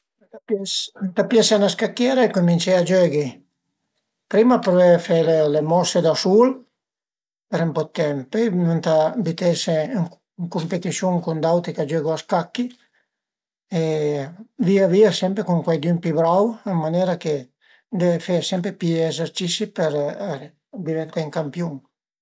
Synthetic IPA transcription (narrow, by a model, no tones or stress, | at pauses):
t̪apnt̪apjasanaskakːjɛːɾaekumint͡ʃɛad͡ʒøːɡi | pɾimapɾoefelelemɔsed̪asul | peɾɛmpɔt̪ːɛmpɛnunt̪abit̪eseŋ | ŋkumpet̪isjuŋkund̪awt̪ikad͡ʒøːɡoaskakːi | e | viaviːasɛmpɾekuŋkwajd̪ynpibɾawamːanjɛːɾake | d̪evefesɛmpɾepiɛzeɾt͡ʃisipɛɾ | d̪ivɛnt̪aiŋkampjuŋ